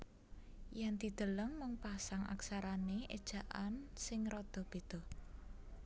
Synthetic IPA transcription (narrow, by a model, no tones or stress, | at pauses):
jand̪̥i̤d̪̥ə̤ləŋməŋpasaŋʔa̰ksaɾaneʔḛd̥ʒ̥a̤ʔansɪŋɾɔd̪̥ɔ̤b̥e̤d̪̥ɔ̤h